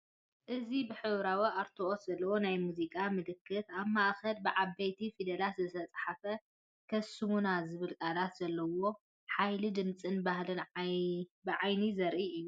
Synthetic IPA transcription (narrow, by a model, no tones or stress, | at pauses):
ʔɨzibɨħɨβɾawiʔaɾt̪ʰoʔot̪zɐlːɐwo̞najmuzikʼamɨlɨkʰːɨt̪aβmaʔxɐlbɨʕaβːɐjt̪ʰifid̪ɐlat̪zɨt̪ʰɐt͡sʼħafɐ | kʰɐsːɨmunazɨβɨlkʼalat̪z̥ɐlːɐwo̞ | ħajlid̪ɨmt͡sʼɨnbahlɨn | bɨʕajnizɐɾʔiɨjːu